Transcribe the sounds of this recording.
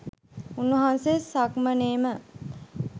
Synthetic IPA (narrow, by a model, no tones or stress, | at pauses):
unːuɦansesakməneːmə